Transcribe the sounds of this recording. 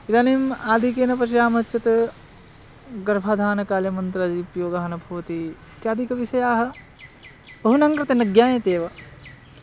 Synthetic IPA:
id̪aːnemaːd̪ʱikeːnɐpɐʃiɾaːmɐɦɐtːɐt̪ | ɡɐɾbʱaːd̪ʱaːnɐkaːljɐmɐnt̪ɾad͡ʒiːpjoːɡɐɦɐnɐbʱoːɐt̪i | t̪jaːd̪ʱikɐʋiʃɐjaːɦɐ̆ | bɐɦunɐŋkɾɐt̪enɐɡjaːjẽt̪eːʋɐ

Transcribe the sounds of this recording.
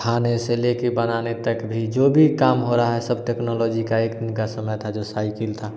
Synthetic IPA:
kʰaːneselekebənanet̪əkbʱid͡ʒoːbʱikaːmɦoɾaaɦɛsəbʈɛknɔlɔːd͡ʒikaeːkd̪ɪnkasəməjt̪ʰad͡ʒosaːɪkəlt̪ʰa

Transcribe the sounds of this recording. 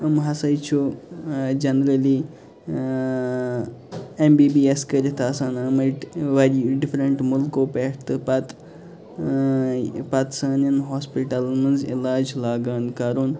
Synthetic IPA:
ɐmɦɐsɐjt͡ʃʰu | d͡ʒɐnɾɐliː | embiːbiːeskəɾit̪ʰaːsaːnɐmɐʈʋɐɾiɖifɾɐɳʈmʊlkoːpeʈt̪ɨpɐt̪ | paːt̪saːninɦoːspiʈɐlmɐnzḭlaːd͡ʒlaːɡaːnkaːɾoːn

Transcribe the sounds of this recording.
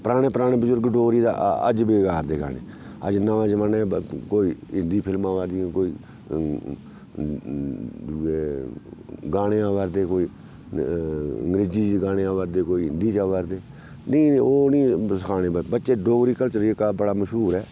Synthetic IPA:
pɾaːɽ̃eːpɾaːɽ̃eːbəzʊɾɡɖoːɡɾiːd̪a̰ːə̰d͡ʒbeːɡaːɾd̪eːɡa̰ːɽḛːə̰d͡ʒnaãːd͡ʒəmənɛ̃ːkoːiːɪ̃nd̪iːpʰɪlmãːʋaːd̪ijãːkoːiː | d͡ʒueː | ɡaːɽẽːaːʋaːɾd̪eːkoːiː | ə̰ŋɡɾeːd͡ʒiːd͡ʒɡaːɽeːaːʋaːɾd̪eːkoːiːɪnd̪iːt͡ʃaːʋaːɾd̪eː | nəiːoːnĩːsəkʰaːɽeːbəbətːʃeːɖoːɡɾiːkəlt͡ʃəɾekaːbəɽaːməʃɦuːɾɛː

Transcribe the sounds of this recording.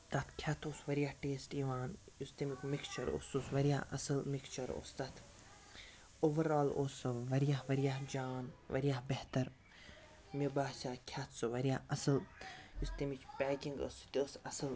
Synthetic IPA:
t̪ɐt̪kʲʰjɐt̪ʰoːsʋɐɾjahʈeːsʈiʋaːn | just̪imikmikst͡ʃʰɐɾo̰ːsusʋɐɾijaɐsɨlmikst͡ʃɐɾo̰ːst̪ɐt̪ʰ | oːʋɐɾaːloːsʋɐɾjahʋɐɾjahd͡ʒaːnʋɐ̰ɾjaɦbeht̪ɐɾ | mibaːsaːkʲʰɐt̪ʰsɨʋɐɾijaɐsɨljust̪imit͡ʃpʲɛːkʲiŋɡɐ̰st̪iosɐsɨl

